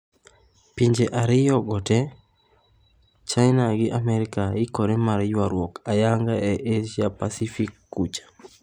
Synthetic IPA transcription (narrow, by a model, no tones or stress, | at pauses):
piɲd͡ʒeʔaɾɪjɔɡɔtɛ | t͡ʃajnaɡɪʔamɛɾɪkaɪkoɾemaɾjwaɾwɔkajaŋɡaɛʔeʃjapasifikːut͡ʃḁ